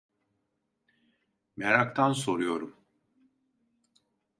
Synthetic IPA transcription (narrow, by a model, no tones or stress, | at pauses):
meɾak̚t̪ʰanso̞ɾujo̞ɾum